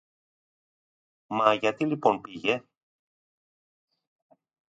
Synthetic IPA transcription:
mɐʝɐt̪ilipo̞npiʝe̞

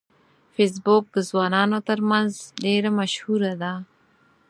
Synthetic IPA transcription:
fes̬bok̚d̪əzwɑːnɑːnot̪əɾmanzɖeɾamaʃhuɾad̪a

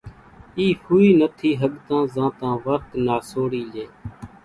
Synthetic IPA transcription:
iːhuːiːnət̪ʰiːɦəɠt̪ãːzãːt̪ãːʋəɾt̪naːsoːɽiːleː

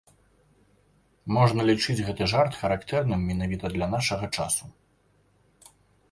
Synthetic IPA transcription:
mɔʐnɐlʲit͡ʂɨd͡zʲɣɛt̪ɨʐart̪xɐɾakt̪ɛrnɨmʲːɛnavʲit̪ɐd̪lʲɐnaʂɐɣɐt͡ʂa̰su

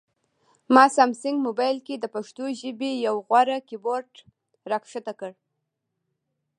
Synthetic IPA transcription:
mɑsamsɪŋɡmobɑjlked̪əpaʂt̪oʒəbejawɣwaɾakiboɾʈ | ɾakʂat̪akəɽ

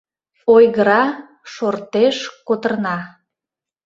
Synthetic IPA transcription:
ojɣəɾɑ | ʃort̪eʃkot̪ərnɑ

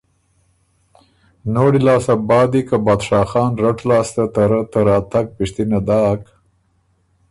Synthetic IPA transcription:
noːɽilɑːsabɑːd̪ikabɑːd̪ʃɑːxɑːnɾaʈlɑːst̪at̪aɾət̪əɾɑːt̪aɡ̚pɪʂt̪inad̪ɑːk

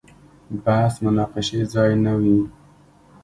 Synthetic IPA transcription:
bahsmʊnɑqɪʃezɑjnawi

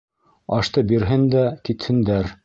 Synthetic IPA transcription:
ɑʃt̪ɤbiɾɦɘnd̪ækit̪hɘ̆nd̪æɾ

